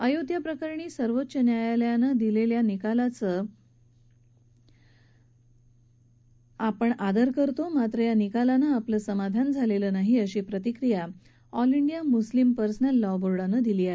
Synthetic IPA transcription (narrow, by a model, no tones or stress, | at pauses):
əjud̪ʱjapɾəkəɾɳiːsəɾʋot̪ːɕənjajaljanəd̪ileljanikalat͡səː | apəɳad̪əɾkəɾt̪omat̪ɾəjanikalanəapləsəmad̪ʱand͡zʱaleləːnaɦiəɕiːpɾət̪ikɾija | ɔliɳɖijamuslimpəɾsnalːɔʋboɾɽanəd̪iliːaɦe